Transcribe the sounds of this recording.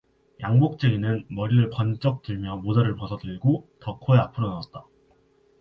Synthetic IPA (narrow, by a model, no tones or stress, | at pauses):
jaŋbok̚t͡ɕ͈eɡinɯnmʌɾiɾɯɭpʌnt͡ɕ͈ʌk̚t͈ɯɭmjʌmod͡ʑaɾɯɭpʌsʰʌdɯɭɡotʌkʰoeapʰɯɾonaʌt̚t͈a